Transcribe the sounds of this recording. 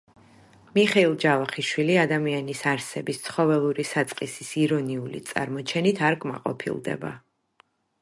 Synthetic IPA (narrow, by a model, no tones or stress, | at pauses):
miχɛilˠd͡ʒavaχiʃwiliad̪amianisaɾsɛbist̪sʰχɔvɛlˠuɾisat̪sʼqʼisisiɾɔniulḭt̪sʼa̰ɾmɔt͡ʃʰɛnit̪ʰaɾkʼma̰qʼɔ̰pʰḭlˠd̪ɛ̰ba